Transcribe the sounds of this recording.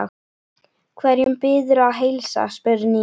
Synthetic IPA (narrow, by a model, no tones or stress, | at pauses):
kʰvɛɾjʏmpɪːðʏɾʏaðɦejlsa̰spœɾʏni